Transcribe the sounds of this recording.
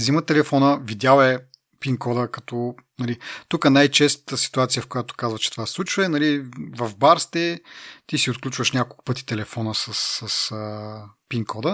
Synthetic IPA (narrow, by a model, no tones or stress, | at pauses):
zimət̪ɛlɛfɔnəvid̪ʲjalɛ | piŋkɔd̪əkɐt̪ɔnɐlit̪ukənajt͡ʃɛst̪t̪əsi̥t̪uat̪sijəfkojat̪o̥kazvət͡ʃɛ̥t̪o̥vaslˠut͡ʃvəɛnɐlivɐvbaɾst̪ɛt̪isiʊt̪̚klʲut͡ʃvəʃnʲakolˠkʊ̥pɤt̪i̥t̪ɛlɛfɔnəsɐsəsəpiŋkʰɔd̪ə